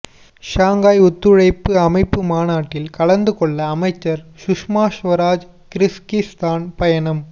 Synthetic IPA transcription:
ʃaːŋɡaːjʊt̪ːɯɻɐɪpːɯɐmɐɪpːɯmaːnaːʈːɪlkɐɭɐnd̪ɯkɔɭːɐːmɐɪt͡ʃːɐɾʃʊʂmaːʃʋɐɾaːd͡ʒ | kɪɾɪskɪst̪aːnpɐjɐnɐm

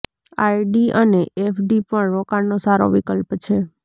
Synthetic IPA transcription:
ajɖiəneʔefɖipəɳɾokaɾnosaɾo̰ʋikəlpt͡ʃʰe

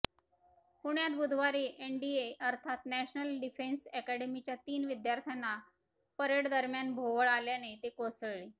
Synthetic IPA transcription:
huɳjat̪bud̪ʱʋaɾiːʔeɳɖieəɾt̪ʰat̪næɕnəlɖifensɛkæɽemit͡ɕjat̪iːnʋid̪jaɾt̪ʰanːa | pəɾeʈd̪əɾmjanbʱoʋəɭaljanet̪ekosəɭɭi

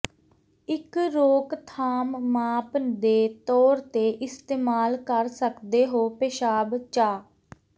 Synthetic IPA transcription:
ɪkɾoːkt̪ʰaːmːaːpd̪eːt̪ɔːɾt̪eːʔɪst̪eːmaːlkəɾsəkd̪eːɦoːpeʃaːbt͡ʃaː

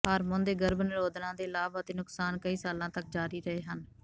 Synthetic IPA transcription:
ɦəɾmʊ̃nd̪eːɡəɾbənɪɾoːd̪nãːd̪eːlaːbət̪eːnʊksaːnkəiːsaːlãːt̪ək̚d͡ʒaːɾiːɾəɦeːɦən

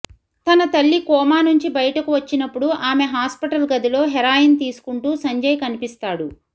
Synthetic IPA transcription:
t̪ɐnɐt̪ɐɭːikɔːmaːnuɲt͡ʃibɐjɐʈɐkuʋɐt͡ʃːinɐpːuɽuʔaːmeɦaːspiʈɐlɡɐd̪ilo̞ːɦɛɾaːjɐnt̪iːsu̥kuɳʈuːsɐɲd͡ʒɐjɐkɐnipist̪aːɽu

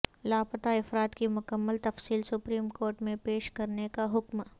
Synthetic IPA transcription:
laːpət̪aɪfɾaːt̪kimʊkəmːəlt̪ɐfsiːlsʊpɾiːmkoːɾʈmẽpeːʃkɐɾnekaɦʊkm

